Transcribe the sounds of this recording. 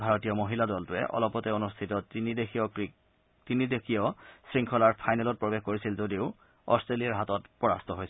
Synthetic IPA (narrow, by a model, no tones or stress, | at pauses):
bʱaɹɔtijɔmoɦiladɔltʊɛ̰ʔɔ̰lɔpɔtɛonustʰitɔtinideiɔ | tinidekʰiɔsɹiŋkʰɔlaɹpʰajnɛlɔt̚pɹɔbexkoɹisilzodiʊ | ɔ̰stɹelijaɹɦatɔtpɹɔɹa̰stʰɔɦojsɛ